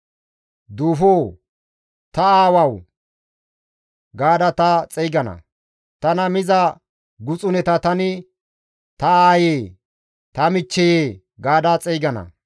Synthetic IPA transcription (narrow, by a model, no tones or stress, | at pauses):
d̪uːfoː | t̪ɐaːwɐw | ɡaːd̪ɐt̪ɐt͡sʼɛjɡɐnɐ̰ | t̪ɐnɐmɪzɐ | ɡʊt͡sʼʊnɛt̪ɐt̪ɐnɪ | t̪ɐaːjeː | t̪ɐmɪt͡ʃːɛjeː | ɡaːd̪ɐt͡sʼɛjɡɐnɐ̰